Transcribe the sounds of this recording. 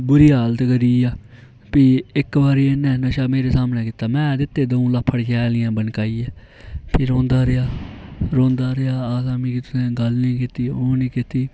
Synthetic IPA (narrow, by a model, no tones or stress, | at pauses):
bʊɾiːaːlt̪ekəɾiːaː | piːɪkʋaːɾiːenːɛ̃ːnəʃaːmeːɾeːsaːmnɛːkɪt̪ːaːmɛ̃ːd̪ɪt̪ːeːd̪eːũːləpʰːəɽkɛːlɪjãːbənkaːiːɛː | pʰɪɾõːnd̪aːɾeaːɾõːnd̪aːɾeaːaːlaːmiːkɪt̪ːɛ̃ːɡəlnĩːkɪt̪iːoːnĩːkɪt̪ːiː